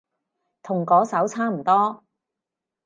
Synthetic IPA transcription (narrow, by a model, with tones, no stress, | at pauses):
t̪ʰʊ˨˩ŋkɔː˨˥sɐ˨˥wt͡sʰaː˥m̩˨˩t̪ɔː˥